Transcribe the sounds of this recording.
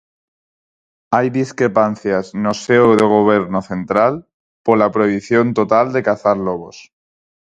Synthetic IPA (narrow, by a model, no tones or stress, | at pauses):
ajðiskɾe̞pan̟θjaznoseoðeɣ̞oβ̞eɾnoθe̞nt̪ɾal | poɾlapɾoiβiθjo̞nt̪ot̪ald̪e̞kaθaɾloβ̞os